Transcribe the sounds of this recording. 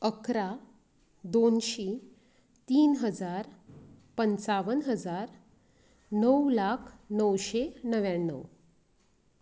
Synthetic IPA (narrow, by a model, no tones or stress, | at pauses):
əkɾa | d̪onɕi | t̪iːnɦəd͡zaɾpənt͡saʋənɦəd͡zaɾ | nəwlakʰnəwɕenəʋjaɳːə̰w